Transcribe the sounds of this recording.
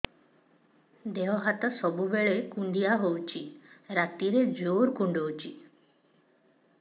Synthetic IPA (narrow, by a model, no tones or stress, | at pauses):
d̪eʋɦat̪əsɔbubeɭekuɳɖijaɦowt͡ʃiɾat̪iɾed͡ʒoɾkuɳɖowt͡ʃi